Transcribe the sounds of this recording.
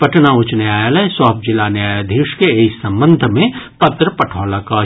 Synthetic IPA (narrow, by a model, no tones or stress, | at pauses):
pɐʈnaʊt͡ʃneaːjalɐswɐɦp̚d͡ʒɪlanejaːjad̪ʱiːʃkeeːsɐ̃mbə̃nd̪ʱmẽpɐt̪ɾəpɐʈʰɔːlakaː